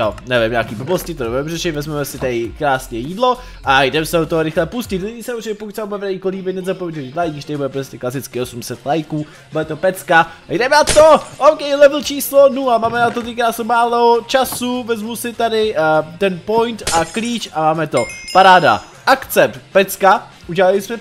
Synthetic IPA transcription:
o̰nɛvɪmɲaːkiːbobloscɪt̪odobɛɛmrɛʃɪt̪vɛzmɛmɛsɪt̪adɪkɾaːsɲɛjiːdlo | ʔajdɛmsɛot̪oɦoɾɪxlɛpuscɪt̪lɪɲisɛuɾt͡ʃɪcɛpokut̪sɛbabubɛvdɛɲɪkoliːbɪt̪nɛzapovjɛɲɛvit̪lajɡʃt̪adɪbudɛpɾoscɛklasɪt͡skɪo̞sumsɛt̪lajkuː | budɛt̪o̞pɛt͡skajdɛmɛnat̪oʔowkɛjlɛvl̩t͡ʃiːslonuamaːmɛnat̪ot̪̬ikaːsɛmaːlot͡ʃasuvɛzmusɪt̪adɪt̪ɛnpo̞jnt̪ʔakliːt͡ʃamaːmɛt̪o̞paɾaːda̰ | ʔak̪t͡sɛp̪pɛt͡ska | ʔuɟɛlalɪsmɛ

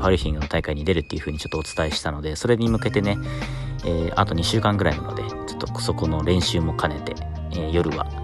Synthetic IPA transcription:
ɸaɾɯ̟çʲĩŋɡɯ̟no̞t̪aikaiɲ̟id̪e̞ɾɯ̟t̪ːeiɯ̟ɸɯ̟ːɲit͡ɕo̞t̪ːoːt͡sɨ̥t̪aeɕi̥t̪ano̞d̪e̞so̞ɾe̞ɲ̟imɯ̟ke̞t̪e̞ne̞ | eːʔa̰t̪o̞ɲ̟iɕɨːkãŋɡɯ̟ɾainanod̪e̞t͡ɕo̞̥t̪ːo̞so̞ko̞no̞ɾẽ̞ɰ̃ɕɨːmo̞kʰane̞t̪e̞̰ | eːjo̞ɾɯ̟βa̰

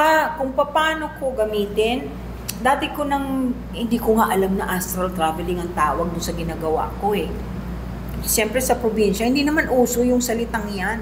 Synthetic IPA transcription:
ʔakʊŋpɐpaːno̞koɡɐmiːt̪ɪn | d̪aːt̪ɪko̞nɐŋ | hɪnd̪iːkoŋaʔɐlamnɐʔast̪ɾɐlt̪ɾavɛlɪŋɐŋt̪aːwɐɡ̚d̪ʊnsɐɡɪnaːɡɐwa̰ko̞ɛ | ʃɛmpɾɛsɐpɾobinʃɐhɪnd̪inɐmanʔuːso̞jʊŋsɐlɪt̪aŋjan

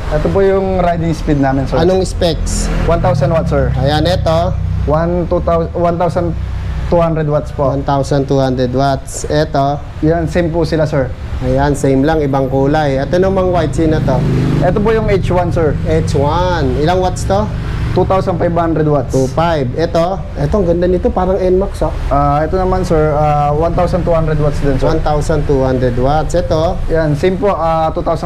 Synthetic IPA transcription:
ʔɛt̪op̬ojʊŋɾajd̪ɪŋspid̪̚naːmɪnsɛɐnoŋɪspɛkswant̪awsɐnwat̪sɛɹʔɐjanɛt̪o̞want̪ut̪awwant̪awsɐnt̪uhand̪ɾɛd̪wat̪spoʔwant̪awsɐnt̪uːhand̪ɾɛd̪wat̪sʔɛt̪o̞ | jansejmpʊsɪlasɛɹ | ʔɐjansejmlaŋɪbaŋkuːlajɛt̪onoŋmɐŋwajt̪sɪnɐt̪o̞ʔɛt̪op̬ojʊŋejt͡ʃwansɛɹʔejt͡ʃwanɪlaŋwat̪st̪o | t̪ut̪awsɐnpajbhand̪ɾɛd̪wat̪sufajbɛt̪o̞ | ʔɛt̪oŋɡɐnd̪anɪt̪opaːɾɐŋɛnmaksoʔʔaʔɛt̪onɐmansɛɹawant̪awsɐnt̪uhand̪ɾɛd̪̚wat̪sd̪ɛnswant̪awsɐnt̪uhand̪ɾɛd̪wat̪sʔɛt̪ojansimpoʔat̪uːt̪awsɐ

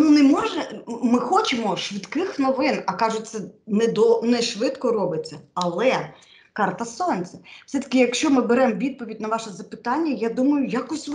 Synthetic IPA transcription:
nunɛmɔʒɛmɪxɔt͡ʃemɔʃʋɪt̪kɪxnɔʋɪnɐkɑʒʊt̚ʲt̪sɛnɛd̪ɔnɛʃʋɪt̪kɔɾɔbɪt͡sʲːɐɐlˠɛ | kɑrt̪ɐsɔnʲt͡sʲɛw̥sɛt̪ɐ̥kʲɪjɐkʃt͡ʃɔmɪbeɾɛmɔʋʲid̪̚pɔʋʲidʲnɐʋɑʃɛzɐpɪ̥t̪ɑnʲːɐjad̪umɐjʊjakɔsʲtʲʋ

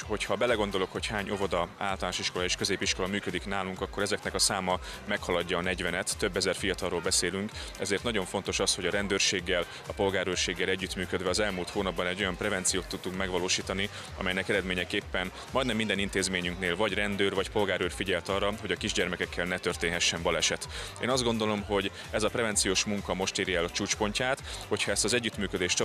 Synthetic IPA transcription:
ho̞chɒbɛlɛɡo̞nd̪o̞lo̞kho̞chaːɲʔo̞vod̪ɒa̰ːlt̪ɒlaːʃiʃko̞lɒeːʃkøzeːpiʃko̞lɒmyːkød̪iknaːluŋkɒkːo̞ɾɛzɛknɛkɒsaːmɒmɛkhɒlɒɟːɒːnɛɟvɛnɛt̪ːø̞bːɛzɛrfijɒt̪ɒroːlbɛseːlyŋkɛzeːrt̪nɒɟo̞ɱfo̞nt̪o̞ʃɒsho̞ɟɒɾɛnd̪øːrʃeːɡːɛl | ɒpo̞lɡaːɾøːrʃeːɡːɛlɛɟːyt̪myːkød̪vɛɒzɛlmuːlt̪hoːnɒbːɒnɛɟːo̞jɒmprɛvɛnt̪sijoːt̪ːut̪ːuŋkmɛɡvɒloːʃiːt̪ɒni | ɒ̰mɛjnɛkɛɾɛd̪meːɲɛkeːpːɛn | mɒjd̪nɛmːind̪ɛnint̪eːzmeːɲyŋkneːlvɒɟrɛnd̪øːrvɒcpo̞lɡaːɾøːrfiɟɛlt̪ɒrːɒɦo̞ɟɒkiʒɟɛrmɛkɛkːɛlnɛt̪ørt̪eːnɦɛʃːɛɱbɒlɛʃɛt̪ḛːnɒzd̪ɡo̞nd̪o̞lo̞mɦo̞ɟ | ɛzɒprɛvɛnt̪sijoːʃmuŋkɒmo̞ʃt̪eːɾjɛlt͡ʃuːt͡ʃpo̞ɲcaːt̪ho̞cʰhɒɛst̪ɒzɛɟːyt̪myːkø̞d̪eːʃt͡ʃ

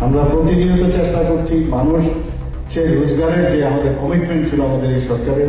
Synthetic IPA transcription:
amɾapɾot̪id̪inot̪ot͡ɕeʃʈakoɾt͡ɕʰimanuʃ | ʃeɾud͡ʑɡaɾeɾd͡ʑeamad̪eɾkɔmiʈmeɳʈt͡ɕʰiloamad̪eɾejʃɔɾkaɾe

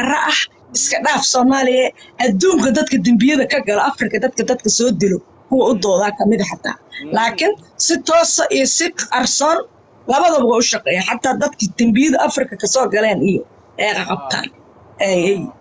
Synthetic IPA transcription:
ɐrɐʔɐh | ɪskʰɐɖaːfsɔːmaːlɪjɐʔɐd̪uːŋkʰɐd̪ɐd̪kʰɐd̪ɐmbɪjɐðɐkʰɐɡɐlɔʔɑfrɪkʰɐd̪ɐd̪kʰɐd̪ɐd̪̚kʰɐsɔːd̪ɪlɔ | kʰʊwɐʊd̪ɔːðaːkʰɐmɪðɐħɑt̪ʰːa̰ːlaːkʰɪnsɪt̪ʰɔːsʔijɔsɪɐrsɔːn | lɐβɐðɐβɐɣɐʊʃɑqɛːjaħɑt̪ʰːaːd̪ɐd̪kʰɐd̪̥ɐmbɪjɐðɐʔɐfrɪkʰɐkʰɐsɔːɡɐlɛːnɪjɔ | ʔɛjqɑqɑb̚t̪ʰa̰ːn | ʔɛjɛj

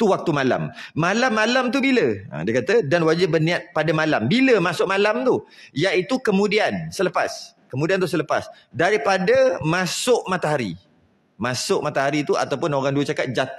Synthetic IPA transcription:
t̪uwak̚t̪umala̰mmalamːalamt̪̬ubiləã̰diakat̪ədanwad͡ʒabərnĩat̪̚padamalambiləmasʊʔ̚malamt̪ujaʔit̪ukəmũdiansələpa̰s | kəmũdiant̪usələpa̰s | daɾipadamãsʊʔmat̪aɦaɾḭ | masʊʔmat̪aɦaɾit̪ua̰t̪awpʊnoɣaŋduət͡ʃakat̪̚d͡ʒat̪

